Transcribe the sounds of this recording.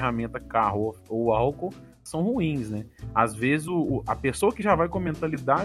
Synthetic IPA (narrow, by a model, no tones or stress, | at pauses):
ɦamẽnt̪ɐkaɦofowawkow | sɐ̃w̃huĩsnɛazvezɪzʊːɐpesowɐkɪʒavajkõmẽnt̪alid̪a